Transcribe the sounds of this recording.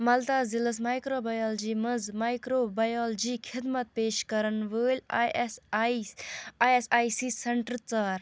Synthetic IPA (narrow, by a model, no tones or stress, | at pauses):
mɐlt̪aːziləsmajkɾoːbɐjɔːld͡ʒiːmɐd͡zmajkɾoːbɐjɔːld͡ʒiːkʰid̪mət̪̚peːʃkɐɾənʋəːlʲ | esaːjsiseɳʈɾt͡saːɾ